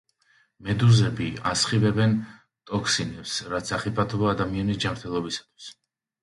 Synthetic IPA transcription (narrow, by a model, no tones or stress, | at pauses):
mɛd̪uzɛbiasχivɛbɛn | t̪ʼɔkʰsinɛpsɾat̪sʰaχipʼat̪ʰɔbɔad̪amianisd͡ʒamɾt̪ʰɛlˠɔbisḁt̪ʰwi̥s